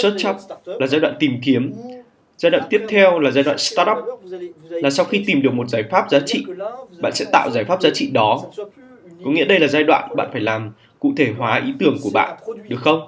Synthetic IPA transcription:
sə˦˥t̚t͡ɕa˦˥k͡p̚laː˨˩zaː˧jɗwa̰ː˧˨nt̪i˨˩mki˨˦əm | zaː˧jɗwa̰ː˧˨nt̪i˦˥əp̚t̪ʰɛ˧wlaː˨˩zaː˧jɗwa̰ː˧˨nst̪aː˦˥ʔɔ˦˥p̚laː˨˩sa˧wxi˧t̪i˨˩mɗɨ˨˩ək̚mo˨˩t̚zaː˧˩jfaː˦˥p̚zaː˨˦t͡ɕḭ˧˨ɓa̰ː˧˨nsɛ̰˧˥t̪a̰ː˧˨wzaː˧˩jfaː˦˥p̚zaː˨˦t͡ɕḭ˧˨ɗɔ˨˦ | kɔ˨˦ŋḭ˧˥əɗə˧jlaː˨˩zaː˧jɗwa̰ː˧˨nɓa̰ː˧˨nfaː˧˩jlaː˨˩m | kṵ˧˨t̪ʰe˧˩ɦwaː˨˦ʔi˨˦t̪ɨ˨˩əŋku˧˩əɓa̰ː˧˨nɗɨ˨˩ək̚xə˧wŋ͡m

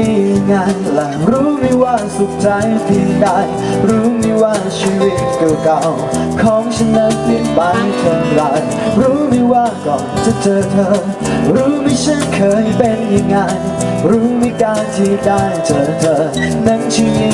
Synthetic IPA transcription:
i˧˩˨ŋaː˧nla˨˩ɾuː˦˥mi˧waː˥˩su˨˩t̚t͡ɕa˧˦jt̪ʰiː˧˩daː˧˩j | ɾuː˨˦˥mi˧waː˥˩t͡ɕʰiː˧wi˧˥t̪̚kɔː˨˧˩ka˧w | kʰɔː˨˦˥ŋt͡ɕʰə˧˥nnə˧˥t̚si˧˩pa˧jt̪ʰə˨˧˩la˨˧˩j | ɾuː˦˥mi˧waː˥˩kɔ˨˩mt͡ɕa˧˦t͡ɕɤː˨˧˩t̪ʰəː˧˥n | ɾuː˨˦˥mi˧t͡ɕʰə˦˥nkʰɤː˨˧jpe˧nja˨˧˩ŋːa˧j | ɾuː˨˦˥miː˧˦kaː˧˩nt̪ʰiː˧˩da˥˩jt͡ɕəː˨˩t̪ʰɤː˧˩ | na˧˦˥ŋt͡ɕʰi˧i˧

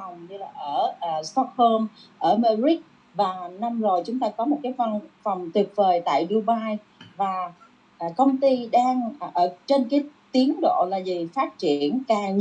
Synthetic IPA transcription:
a˨˩wɲɨ˧laː˨˩ʔəː˧˩ʔːst̪ɔ˦˥t̚ho˧mʔəː˧˩maː˧zi˦˥k̚ | vaː˨˩na˧mzo˨˩jt͡ɕʊ˨˦ŋ͡mt̪aː˧kɔ˨˦mo˨˩t̚kaː˨˦jva˧nfa˨˩wŋ͡mt̪wi˨˩ət̚vəː˨˩jt̪a̰ː˧˨jɗu˧ɓaː˧j | vaː˨˩ | ʔkə˧wŋ͡mt̪i˧ɗaː˧ŋ˨ʔəː˧˩t͡ɕe˧nkaː˨˦jt̪i˨˦əŋɗo̰˧˨laː˨˩zi˨˩faː˦˥t̚t͡ɕi˧˩ənkaː˨˩ŋ

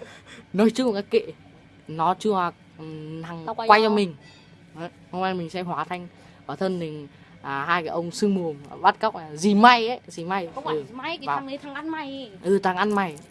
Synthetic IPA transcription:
nɔ˨˦jt͡ɕɨ˧˦˨kaː˦˥kːḛ˧˨ | nɔ˨˦t͡ɕɨ˧əa˨˩ | t̪ʰa˨˩ŋ˧wa˧jt͡ɕɔ˧mï˨˩ŋ̟˨˦˧ | ŋwa˧jɔ˧mï˨˩ŋ̟sɛ̰˧˥hwaː˨˩t̪ʰa˧jŋ̟ | ʔəː˨˩t̪ʰə˧nni˨˩ŋ | a˨˩haː˧jkaː˨˦ʔə˧wŋ͡msɨ˧ŋmu˨˩əm˨ɓa˦˥t̚ka˦˥wk͡p̚a˨˩zi˨˩ma˧jə˨˦zi˨˩ma˧jɨ˨˩˨jŋə˨˦t̪ʰa˨˦ʔa˧nma˨˩jʔɨ˨˩t̪ʰa˨˦ŋʔa˧nma˨˩j

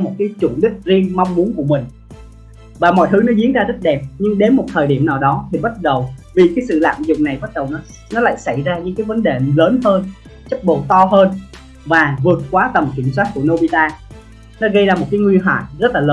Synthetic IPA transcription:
mo˨˩t̚kaː˨˦jt͡ɕṵ˧˩ənɗï˦˥k̚zi˧ənma˧wŋ͡mmu˨˦ənku˧˩əmï˨˩ŋ̟ | vaː˨˩mɔ̰˧˨jt̪ʰɨ˨˦nɔ˨˦zi˨˦ənzaː˧zi˦˥t̚ɗɛ˨˩p̚ɲɨ˧ŋɗe˨˦nmo˨˩t̚t̪ʰəː˨˩jɗi˧˩əmnaː˨˩wɗɔ˨˦t̪ʰi˨˩ɓt̚ɗə˨˩wvi˨˩kaː˨˦jsɨ̰˧˨la̰ː˧˨mzʊ˨˩ŋ͡m̚na˨˩jɓa˦˥t̚ɗə˨˩wnɔ˨˦ | nɔ˨˦la̰ː˧˨jsa˧˩jzaː˧ɲɨ̰˧˥ŋkaː˨˦jvə˨˦nɗe˨˩ləː˨˦nɦəː˧n | t͡ɕə˦˥k̚ɓo˨˩t̪ɔ˧ɦəː˧n | vaː˨˩vɨ˨˩ət̚kwaː˨˦t̪ə˨˩mt͡ɕwi˧˩ns̬waː˦˥t̚ku˧˩əno˧ɓi˧t̪aː˧ | nɔ˨˦ɣə˧jzaː˧mo˨˩t̚kaː˨˦jŋwi˧nɦwa̰ː˧˨jzə˦˥t̚laː˨˩ləː˨˦

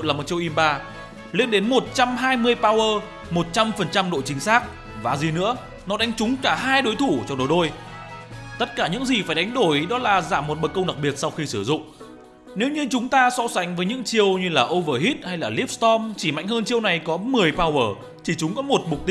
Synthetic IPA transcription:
laː˨˩mo˨˩t̚t͡ɕi˧əwʔi˧mɓaː˧ | lḭ˧ənɗe˨˦nmo˨˩t̚t͡ɕa˧mɦaː˧jmɨ˧əjpaː˧wʔəː˧ | mo˨˩t̚t͡ɕa˧mfə˨˩nt͡ɕa˧mɗo̰˧˨jt͡ɕï˨˦ŋ̟saː˦˥k̚ | vaː˨˩zi˨˩nɨ̰˧˥ə | nɔ˨˦ɗa˨˦jŋ̟t͡ɕʊ˨˦ŋ͡mkaː˧˩ɦaː˧jɗo˨˦jt̪ʰu˧˩t͡ɕɔ˧ŋ͡mɗo˨˦jɗo˧j | t̪ə˦˥t̚kaː˧˩ɲɨ̰˧˥ŋzi˨˩faː˧˩jɗa˨˦jŋ̟ɗo˧˩jɗɔ˨˦laː˨˩zaː˧˩mːo˨˩t̚ɓə˨˩kə˧ŋ͡mɗa˨˩k̚ɓi˨˩ət̚sa˧wxi˧sɨ˧˩zʊ̰˧˨ŋ͡m | ne˨˦wɲɨ˧t͡ɕʊ˨˦ŋ͡mt̪aː˧sɔ̰˧˥sa˨˦jŋ̟vəː˨˦jɲɨ̰˧˥ŋt͡ɕi˧əwɲɨ˧laː˨˩ʔo˧vəː˧˩ɦi˦˥t̚ha˧jlaː˨˩li˦˥p̚st̪ɔ˧mt͡ɕi˧˩ma̰˧˨jŋ̟həː˧nt͡ɕi˧əwna˨˩jkɔ˨˦mɨ˨˩əjpaː˧wəː˧˩ | t͡ɕi˧˩t͡ɕʊ˨˦ŋ͡mkɔ˨˦mo˨˩t̚m˨˩k͡p̚t̪i˧

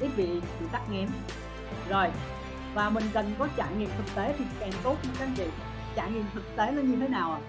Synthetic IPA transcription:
i˦˥k̚vḭ˧˨sɨ̰˧˨sa˦˥k̚ŋɛ˧˩m | zo˨˩j | vaː˨˩mï˨˩ŋ̟kə˨˩nkɔ˨˦t͡ɕa̰ː˧˨ŋḭ˧˨əmt̪ʰɨ˨˩k̚t̪e˨˦t̪ʰi˨˩kɛ˨˩ŋt̪o˨˦˥t̚t͡ɕkaː˨˦ŋt͡ɕḭ˧˨ | t͡ɕa̰ː˧˩ŋḭ˧˨əmt̪ʰɨ˨˩k̚t̪e˨˦lə˧nɲɨ˧t̪ʰe˨˦naː˨˩wʔaː˨˩

